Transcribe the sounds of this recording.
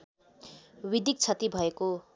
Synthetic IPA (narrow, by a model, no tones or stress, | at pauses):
wid̪ik̚t͡sʰʌt̪ibʱʌeko